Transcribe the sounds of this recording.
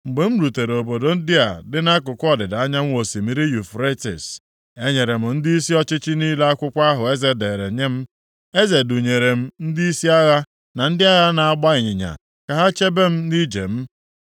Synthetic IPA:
ŋ͡m̩˨ɡ͡be˨m̩˦ɾu˨te˨ɾo˨bo˨do˨n̩˦dɪ˦a˨dɪ˦na˦kʊ˨kʷɔ˦dɪ˨da˦ɲa˦m̩˦wo˨si˨mi˦ɾi˦ju˨fɾe˦tḭ˨s | e˦ɲe˨ɾe˨m̩˨n̩˦di˦i˦si˦ɔ˦t͡ʃɪ˦t͡ʃɪ˦niː˦le˦a˦kʷʊ˦kʷa˦ɦʊ˨e˦ze˨de˨ɾḛ˨ɲe˦m̩˦ | e˦ze˨du˨ɲe˨ɾe˨m̩˦n̩˦di˦i˦si˦a˦ɣa˦ | na˨n̩˦dɪ˦a˦ɣa˦na˨a˦ɡ͡ba˦ɪ˨ɲɪ˨ɲa̰˨ | ka˨ɦa˦t͡ʃe˦be˦m̩˦ni˦d͡ʒḛ˨m̩˦

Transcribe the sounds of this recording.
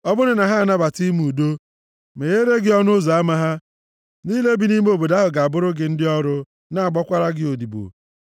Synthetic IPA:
ɔ˦bʊ˦nɪ˦na˨ɦa˦a˨na˦ba˨ti˦m˨u˨do˦ | me˨ɣe˦ɾe˦ɡɪ˦ɔ˦nʊ˦za˨a˦ma˦ɦa˦ | niː˦le˦bi˨ni˦m˦o˨bo˨da˦ɦʊ˨ɡa˨a˨bʊ˦ɾʊ˦ɡɪ˨n̩˦dɪ˦ɔ˦ɾʊ˦ | na˦a˨ɡ͡bɔ˦kʷa˦ɾa˦ɡɪ˦o˨di˨bo̰˨

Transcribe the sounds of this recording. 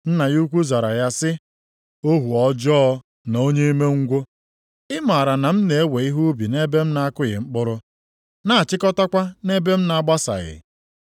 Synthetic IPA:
n̩˦na˨ɣu˦kʷu˦za˨ɾa̰˨ja˦sɪ˦ | o˦ɦu˨ɔ˦d͡ʒɔː˦ | n˨o˦ɲe˦i˦me˦ŋ̩˦ɡʷo˦ | ɪ˦ma˨ɾa˨na˨m̩˦ne˨e˦we˨i˦ɦu˦bi˨ne˦be˦m̩˦na˦a˦kʊ˦ɣɪ̰˨ŋ͡m̩˦k͡pʊ˦ɾʊ˦ | na˦˨t͡ʃɪ˦kɔ˦ta˦kʷa˦ne˦be˦m̩˦na˨a˦ɡ͡ba˦sa̰˨ɣɪ̰˨

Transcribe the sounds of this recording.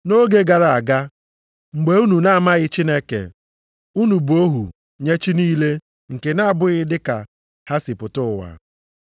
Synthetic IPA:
no˦ɡe˦ɡa˨ɾa˨a˨ɡa˦ | ŋ͡m̩˨ɡ͡be˨u˦nu˨na˦˨ma˦ɣɪ˦t͡ʃi˦ne˦kḛ˨ | u˦nu˨bo˦ɦṵ˨ | ɲe˦t͡ʃi˦niː˦le˦ | ŋ̩˨ke˨na˦a˨bʊ˦ɣɪ˦dɪ˦ka̰˨ | ha˦sɪ˨pʊ˨tʊ˦˨wa̰˨

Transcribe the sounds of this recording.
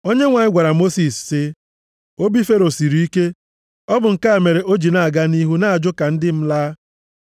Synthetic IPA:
o˦ɲe˦ŋʷa˨ɲɪ˦ɡʷa˨ɾa˨mo˦si˨ssɪ˦ | o˦bi˦fe˦ɾo˨si˨ɾi˨i˦ke˦ | ɔ˦bʊ˨ŋ̩˨ka˦e˨me˨ɾe˨ʔo˦d͡ʒi˨na˨a˨ɡa˦ni˦ɦu˦na˦a˨d͡ʒʊ˦ka˨n̩˦dɪ˦m̩˦laː˦

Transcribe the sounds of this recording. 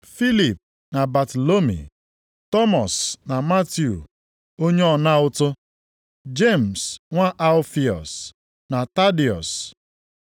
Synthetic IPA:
fi˦li˨p̚ | na˨ba˨to˨lo˦mḭ˨ | tɔ˦mɔ˨sna˨ma˦tju˨ | o˦ɲe˦ɔ˨na˦ʊ˦tʊ˦ | d͡ʒe˦˨m̩˨sŋʷa˦ʔa˦lfi˨ɔ̰˨s | na˨ta˦di˨ɔ̰˨s

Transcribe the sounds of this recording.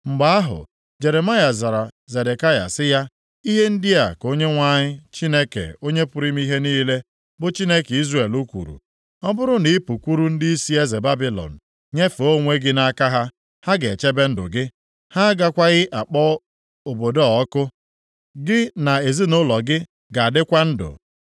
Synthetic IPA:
ŋ͡m̩˨ɡ͡ba˦a˦ɦʊ̰˨ | d͡ʒe˨ɾe˨ma˦ja˨za˨ɾa˨ze˨de˨ka˦ja̰˨sɪ˦ja˦ | i˦ɦe˦n̩˦dɪ˦a˨ko˦ɲe˦ŋʷa˦ɲɪ˦t͡ʃi˦ne˦kḛ˨o˦ɲe˦pʊ˨ɾi˦m˦i˦ɦe˦niː˦le˦ | bʊ˦t͡ʃi˦ne˦ki˦zre˨lu˦kʷṵ˨ɾṵ˨ | ɔ˦bʊ˦ɾʊ˦ni˨˦pu˨kʷu˦ɾu˦n̩˦di˦i˦si˦e˦ze˨ba˦bi˦lɔ̰˨n̩˨ | ɲe˦fo˦ŋʷe˦ɡɪ˦na˦ka˦ɦa˦ | ha˦ɡe˨t͡ʃe˦be˦n̩˦dʊ̰˨ɡɪ˦ | ha˦ɡa˦kʷa˦ɣɪ˦ʔa˨k͡pɔ˦ | o˨bo˨dɔ˦˨ɔ˦kʊ˦ | ɡɪ˦na˨e˨zi˦nʊ˦lɔ˨ɡɪ˦ | ɡa˨a˨dɪ˦kʷa˦n̩˦dʊ̰˨

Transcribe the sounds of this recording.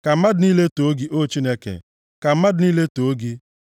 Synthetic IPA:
ka˨m̩˦ma˦dʊ˨ni˦le˦to˨o˦ɡi˦ʔo˦t͡ʃi˦ne˦kḛ˨ | ka˨m̩˦ma˦dɪ˨niː˦le˦to˨˦ɡi˦

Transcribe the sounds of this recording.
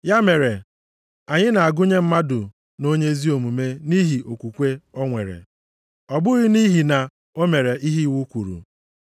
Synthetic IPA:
ja˦me˨ɾe˨ | a˨ɲɪ˦na˨a˨ɡʊ˦ɲe˦m̩˦ma˦dʊ˨ | no˦ɲe˦zi˦o˨mu˨me˦ni˦ɦi˨ʔo˨kʷu˨kʷe˦ɔ˦ŋʷḛ˨ɾḛ˨ | ɔ˨bʊ˦ɣɪ˦ni˦ɦi˨na˨ | o˦me˨ɾe˨i˦ɦi˦˨wu˦kʷu˨ɾṵ˨

